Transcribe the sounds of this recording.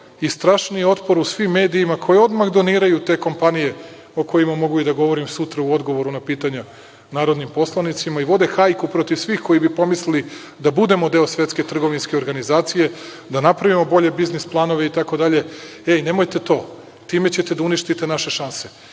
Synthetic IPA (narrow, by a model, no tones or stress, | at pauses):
ist̪ɾaːʃnijeo̞t̪po̞ɾusʋimːe̞ːd̪iːmakʰo̞jeo̞d̪maxd̪o̞niːɾajut̪e̞ːko̞mpanije̞ | o̞ko̞jimamo̞ɡuid̪aɡo̞ʋo̞ɾimsut̪ɾauo̞d̪ɡo̞ʋo̞ɾunapiːt̪aɲa | naːɾo̞d̪nimpo̞slˠanit̪simaiʋo̞d̪e̞xajkupɾo̞t̪iʋsʋiːxko̞jibipo̞mislili | d̪abud̪e̞mo̞d̪e̞osʋʲje̞t̪sket̪r̩ɡo̞ʋinske̞o̞ɾɡanizaːt̪sije̞ | d̪anapɾaʋimo̞bo̞ʎe̞biznisplˠano̞ʋe̞it̪ako̞d̪aʎe̞eine̞mo̞jt̪e̞t̪o̞ː | t̪iːme̞t͡ɕe̞t̪e̞d̪auniʃt̪it̪e̞naʃe̞ʃanse̞